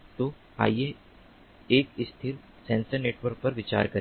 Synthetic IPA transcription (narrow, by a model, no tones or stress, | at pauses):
t̪o | a̰ːje | eːkɪst̪ʰɪɾ | sɛ̃ːnsəneːʈʋəɾk̚pɐɾʋɪt͡ʃa̰ːɾkɐ